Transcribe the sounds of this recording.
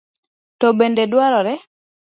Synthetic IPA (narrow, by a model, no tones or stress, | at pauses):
tɔbendedwaɾɔɾɛ